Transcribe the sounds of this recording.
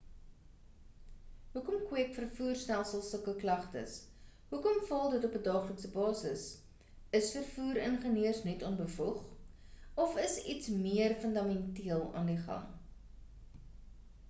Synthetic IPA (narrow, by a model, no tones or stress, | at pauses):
ɦukɔmkwiəkfərfuːrstælˠsəlˠsəkəklɐχtə̰s | ɦukɔmfɐlˠdətɔpədɑːχləksəbɑːsəs | əsfərfuːɾənχəniərsnɛtɔnbəfuχ | ɔfəsitsmiərfəndɑmɛntiəlˠɑ̰ːndiχɐ̰ŋ